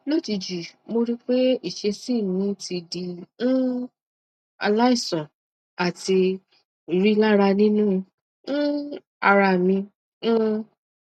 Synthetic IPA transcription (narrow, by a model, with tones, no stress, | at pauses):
lo˦˨ti˧d͡ʒi˨mo˧ɾi˦k͡pe˦i˦˨ʃe˧si˦˨nĩ˨˦ti˧dĩ˧˦ | a̰˧la˦i˦˨sɔ̃˨ | a˨ti˧˨ | ɾi˦la˦ɾa˧nĩ˦nũ˦˧˦ | a˧ɾa˧˨mĩ˧˦